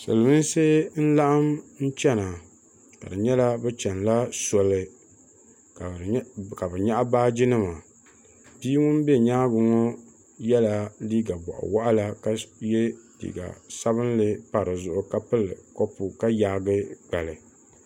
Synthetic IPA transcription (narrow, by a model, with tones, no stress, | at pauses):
sɨ̰˨lmi˦n˦sɨ˦n̩˦la˦ʔa˦mn̩˦t͡ʃɛ˦na˨ | ka̰˨dɨ˨ɲɛ˦la˦bɛ˦t͡ʃɛ˨nla˦sɔ˨lɨ˨ | ka˨bɨ˨ɲa˦ʔa˦baː˦d͡ʒɪ˦nɨ˦ma˨ | pi˦ŋʊ˦n˦bɛ˦˨ɲaː˦ɡʊ˨ŋɔ˦ | jɛ˦la˨liː˦ɡa˨bɔ̰˨ʔa̰˨wa˦ʔa˦la˦ka˦jɛ˦dḭː˨ɡa̰˨sa˦βɨ˦n˦lɨ˦pa˨ɾɨ˨zʊ˨ʔʊ˦ka˦pɨ˦lɨ̰˨kɔ˦pʊ˨ka˦jaː˨˦ɡɨ˦k͡pa˨lɨ˨